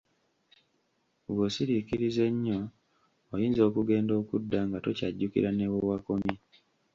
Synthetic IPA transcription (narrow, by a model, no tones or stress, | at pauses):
βosiɾikiɾize̞ɲːo̞ː | jiːnzo̞ːkuɡe̞ːndo̞ːkudːaŋɡato̞caɟːukḭɾanewowako̞mi